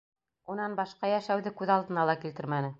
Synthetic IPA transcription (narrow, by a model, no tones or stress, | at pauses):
unɑnbɑʃqɑjæʃæwðɘkʉðɑlˠd̪ɤ̆nɑlˠɑkilt̪ɘɾmænɘ